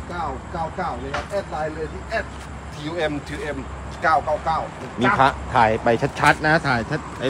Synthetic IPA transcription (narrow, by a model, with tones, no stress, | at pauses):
kaː˥˩wkaː˥˩wkaː˥˩wna˧˩kʰa˦˧p̚ʔɛː˥˩t̪̚laː˧jlɤː˧jt̪ʰiː˥˩ʔɛː˥˩t̪̚ʰ | iː˧uː˧ʔe˧mt̪ʰiː˧ʔe˧m˥˩ | kaː˥˩wkaː˥˩wkaː˥˩w | miː˧pʰa˦˥ʔt̪ʰaː˩˦jpa˧jt͡ɕʰa˦˥t̪̚t͡ɕʰa˦˥t̪̚na˦˥t̪ʰaː˩˦jt͡ɕʰa˦˥t̪̚ʔa˧